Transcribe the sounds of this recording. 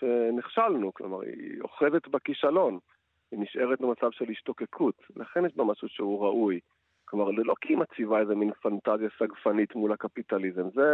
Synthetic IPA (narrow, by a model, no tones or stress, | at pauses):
ʃeniχʃalnuklomaʁḭo̰χezet̪bekiʃalo̞n | iniʃʔe̞ʁetlemat͡savʃelhiʃto̞ke̞kʰutlaχenjeʃbamaʃuʃeuʁaʔuj | klomaʁlelo̞kiimat͡sivaezeminfantazjasaɡfanitmulhakapitalizemze